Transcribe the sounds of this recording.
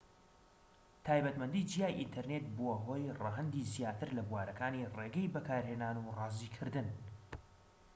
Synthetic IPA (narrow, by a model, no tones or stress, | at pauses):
t̪ʰaːjbɐt̪mɐnd̪id͡ʒijaːjʔḭnt̪ʰɐɾnet̪̚boɦo̞ːjrɑɦɐnd̪izijaːt̪ʰɨɾlɐbuwaːɾɐkaːnireɡɛjbɐkʰaːɾhe̞ːnaːnurɑːziːkʰɨɾd̪ɨn